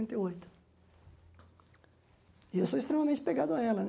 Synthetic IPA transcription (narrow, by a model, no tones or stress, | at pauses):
ẽnt̪ɐiojt̪ʊ̥ | ɪewsoest̪ɾẽmɐmẽnt͡ʃɪ̥peɡad̪ʊɐɛlɐn